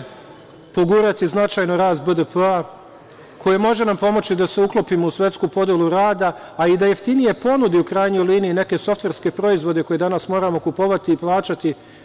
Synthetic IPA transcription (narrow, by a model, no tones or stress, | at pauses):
poɡuːɾat̪iznat͡ʃajnoɾaːs̬t̪̚bəd̪əpəa | kʰo̞jemo̞ʒe̞nampo̞mo̞t͡ɕid̪ase̞uklˠopimousʋʲe̞t̪skuːpo̞d̪jelˠuɾaːd̪aː | id̪ajeft̪inije̞po̞nud̪iukɾaːjɲoliːniine̞ke̞so̞ft̪ʋe̞ɾske̞pɾo̞izʋo̞d̪e̞ko̞jed̪anasmo̞ːɾamo̞kupo̞ʋat̪iːplˠaːt͡ʃat̪i